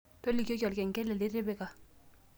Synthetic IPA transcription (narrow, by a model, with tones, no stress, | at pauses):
to˦li˨ko˦kɔ˨lkɛ˨ŋkɛ˦lɛ˨lɪ˦ɾɪ˦bɛ˦ka˨